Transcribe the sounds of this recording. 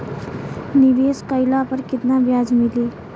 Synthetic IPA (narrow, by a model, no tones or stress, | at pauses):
niʋeːskəɪlapəɾkɪt̪nabjaːd͡ʒmiliː